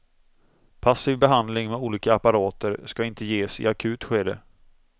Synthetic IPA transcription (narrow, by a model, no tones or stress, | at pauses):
pʰasiːvbɛɦand̪lɪŋmɛuːliːkaːpaɾɑːt̪əɾskaɪnt̪əjeːsɪ̰akʰʉ̟ːt̪ɧeːd̪ə